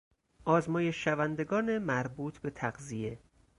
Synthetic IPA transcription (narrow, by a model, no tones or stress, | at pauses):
ʔɒːzmɒːje̞ʃːævænd̪e̞ɡɒːnemæɾbuːt̪ʰbe̞t̪ʰæɢzije̞